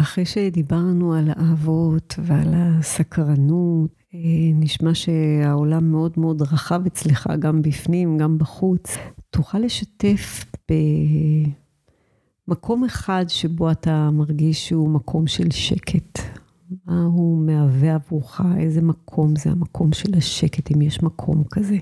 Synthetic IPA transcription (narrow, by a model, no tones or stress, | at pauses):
ʔaχʁejʃedibaʁnualaʔavo̞tvealasakʁanut | eniʃmaʃe̞ao̞lamːeo̞dmeo̞dʁaχavet͡sleχa̰ɡambifnimɡambaχut͡stuχale̞ʃate̞fb̥e | makʰo̞me̞χadʃe̞bo̞atamaʁɡiʃeumakʰo̞mʃe̞lʃe̞kʰe̞t | maumeaveavʁuχaʔe̞zemakʰo̞mzea̰makʰo̞mʃelaʃeketimjeʃmakʰo̞̰mkaze̞